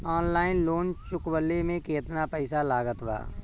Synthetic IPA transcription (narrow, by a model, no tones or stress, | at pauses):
aːnlaːɪnloːnt͡ʃʊkbəlːemẽkeːt̪napɛːɪsalaːɡət̪ba̰ː